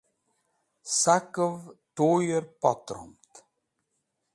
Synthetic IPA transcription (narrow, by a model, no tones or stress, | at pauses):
sakəvt̪oːjəɾpɔt̪ɾɔ̰mt̪